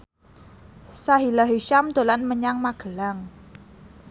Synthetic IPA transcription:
saɦilaɦiʃamd̪̥o̤lanməɲaŋmaɡ̥əlaŋ

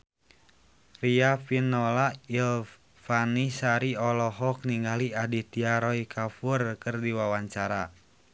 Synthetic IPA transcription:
riafinɔlail | fanisaɾiɔlɔɦɔk̚niŋɡaliadit̪iaɾɔikʰafurkɨrdiwawaɲt͡ʃaɾa

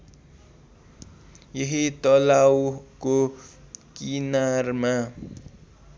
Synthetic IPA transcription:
jeɦit̪ʌlawko | kinarma

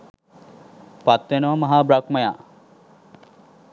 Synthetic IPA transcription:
pat̪ʋenəʋɐmɐɦaːbɾakmɐjaː

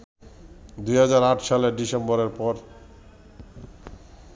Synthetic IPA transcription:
d̪ujɦad͡ʑaɾaʈʃaleɾɖisembɔɾeɾpɔɾ

